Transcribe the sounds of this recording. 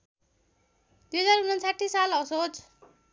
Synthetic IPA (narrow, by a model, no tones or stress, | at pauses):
d̪ujɦʌd͡zarɦunʌnt͡sʰaʈʰːisalʌsod͡z